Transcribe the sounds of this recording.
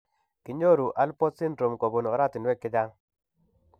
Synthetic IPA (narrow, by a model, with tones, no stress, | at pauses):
kɪ˨ɲo˦ɾu˨ʔa˦lpɔ˦tsi˦ndɾo˨mko˨bo˨nɔ˨ɾa˦t̪ɪ˨nwɛ˦kɪ˦da˦ŋ